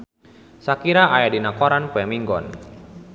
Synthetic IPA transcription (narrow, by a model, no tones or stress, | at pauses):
sakiɾaʔajadinakɔɾanpɛmiŋɡɔ̰n